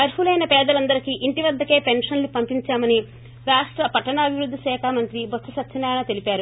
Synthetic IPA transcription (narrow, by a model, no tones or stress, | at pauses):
ɐɾhulɐjnɐpɛːd̪ɐlɐnd̪ɐɾikiʔiɳʈiʋɐd̪ːɐke̞ːpenʂɐnlupɐmpiɲt͡ʃaːmɐni | ɾaːʂʈɾɐpɐʈːɐɳɐːbʱiʋɾud̪ːisɛːkʰaːmɐnt̪ɾibɐssɐsɐt̪ːt͡ʃɐnːaːjɐnɐt̪e̞lipaːɾu